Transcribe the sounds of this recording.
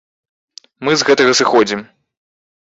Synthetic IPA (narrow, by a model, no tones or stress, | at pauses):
mɨzɣɛt̪ɐɣɐsɨxɔd͡zʲim